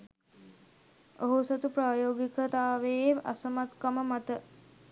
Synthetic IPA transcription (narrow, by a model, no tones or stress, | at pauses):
oɦusot̪upɾaːjoːɡikət̪aːʋeːa̰səmat̪kaməmat̪ə